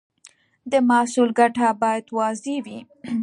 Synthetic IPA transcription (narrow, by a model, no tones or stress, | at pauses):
d̪əmasulɡaʈabɑjad̪wɑzewi